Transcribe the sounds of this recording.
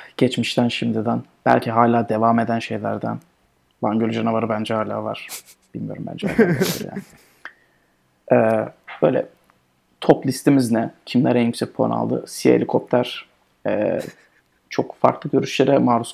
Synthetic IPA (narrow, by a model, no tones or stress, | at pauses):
ɟ̥ɛt͡ʃmiʃt̪ʰænʃimd̪id̪ænb̥æ̰lʲcʰiɦaːlʲaːd̪e̞vaːme̞d̪ænʃe̞jlʲæ̰ɾd̪æ̰n | baɲɟølʲyd͡ʒanavaɾɯbænd͡ʒɛhaːlʲa̰ːva̰ɾ̥ | b̥ilʲmijo̞ɾumbæ̰nd͡ʒɛha̰ːlaːaa̰ɾja̰ːnɪ | ʔɛːb̥ø̰ːjlʲɛ̰ | t̪ʰoplʲist̪ʰimiznɛcʰimlʲæɾɛnjykʲsɛc̚pʰolˠa̰na̰lˠd̪ɯ̰sielʲikʰop̚t̪ʰæɾ̥ | ɛ̰ː | t͡ʃʰo̞kfa̰ɾklˠɯɟø̞ɾyʃlʲeɾɛmaːɾus